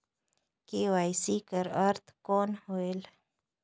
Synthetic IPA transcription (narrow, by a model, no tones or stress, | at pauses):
kewaːjsiːkəɾəɾt̪koːnhoːel